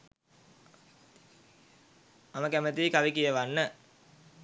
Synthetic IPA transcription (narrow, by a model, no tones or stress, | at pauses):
aməkæmət̪iikaʋikijəʋanːə